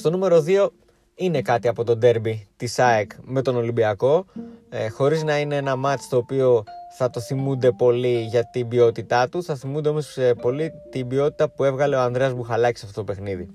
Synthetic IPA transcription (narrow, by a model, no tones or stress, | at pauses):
st̪o̞nume̞ɾo̞ðio̞ | ine̞kɐt̪iɐpo̞t̪o̞d̪e̞ɾbit̪isɐekme̞t̪o̞no̞limbiɐko̞ | xo̞ɾiznɐineenɐmɐt̪st̪o̞ːpio̞θɐt̪o̞θimund̪e̞po̞liʝɐt̪ibio̞t̪it̪ɐt̪uθɐθimund̪eomospo̞lit̪ibio̞t̪i̥t̪ɐpue̞vɣɐle̞oɐnd̪ɾeɐzmuxɐlɐci̥sɐft̪ot̪opexniði